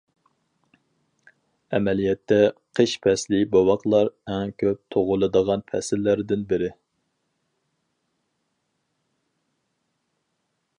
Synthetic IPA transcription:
ɛmɛlijɛt̪ʰːɛqʰəʃpʰɛslibɑwɑqlˠɑɾɛŋkʲʰøp̚t̪ʰoʁʊlˠɨd̪əʁɑnpʰɛsɪlːæɾd̪ɪnbɪɾɪ

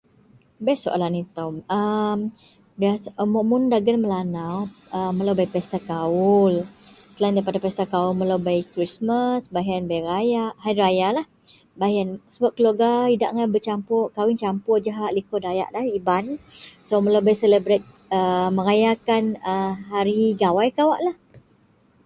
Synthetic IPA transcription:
bɛsoʔa̰lanit̪awəm | biasamuʔmʊndaɡənməlanawəməlawbajpɛst̪akaʊl | səlaindaipadapɛst̪akaulmə̃lawbajkɾismasbaɦianbajrajaʔhajrajalah | bajansəbaʔ̚kəloɡaida̰ʔŋanbət͡ʃampʊkawɪnt͡ʃampʊrd͡ʒaɦaʔlikɔdaja̰ʔlahibansoməlobajseləbɾet̪̚ | əmə̃ŋajakanəɦaɾiɡawajkawaʔlah

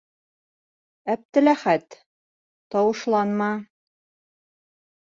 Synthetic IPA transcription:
æp̚t̪ɘ̆læχæt̪ | t̪ɒwɤ̆ʃlˠɑnmɑ

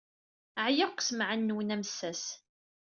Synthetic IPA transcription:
əʕjəqʷːsmʕənːwənæmsːæs

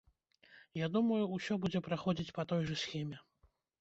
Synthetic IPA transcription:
jad̪umɐjuːsʲɔbud͡zʲɛpɾaxɔd͡zʲit͡sʲpat̪ɔjʐɐsxʲɛmʲɛ

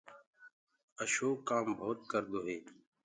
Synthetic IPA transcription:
əʃoːkaːmbʱoːt̪̚kəɾd̪oːɦeː

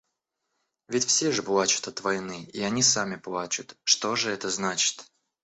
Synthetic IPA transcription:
vʲɪtʲfsʲeʐɨplˠat͡ɕʊ̥t̪ɐt̪vɐjnɨiɐnʲisamʲɪplˠat͡ɕʊt̪ʂt̪o̞ʐɨɛt̪əznat͡ɕɪ̥t̪

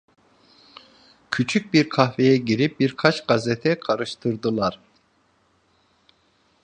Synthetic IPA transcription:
cʰyt͡ʃʰyc̚biɾkʰahvejɛɟiɾip̚biɾkʰat͡ʃɡazɛt̪ʰɛkʰaɾɯʃt̪ʰɯɾd̪ɯlˠaɾ̥

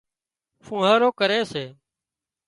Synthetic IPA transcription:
fũːɦəːɾoːkəɾeːseː

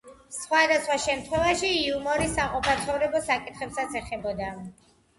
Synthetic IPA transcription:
sχwad̪asχwaʃɛmt̪ʰχwɛvaʃiːumɔɾisaqʼɔpat̪sʰχɔvɾɛbɔsakʼit̪ʰχɛpsat̪sʰɛχɛbɔd̪a

